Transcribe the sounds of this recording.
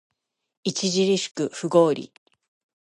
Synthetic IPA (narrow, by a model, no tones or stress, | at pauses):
it͡ɕiʑiɾʲiɕɨ̥kɯ̟ɸɯɡo̞ːɾʲḭ